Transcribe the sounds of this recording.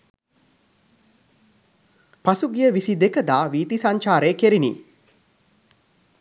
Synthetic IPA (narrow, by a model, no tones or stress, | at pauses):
pasuɡijəʋisid̪ekəd̪aːʋiːt̪isaɲt͡ʃaːɾeːkeɾinḭ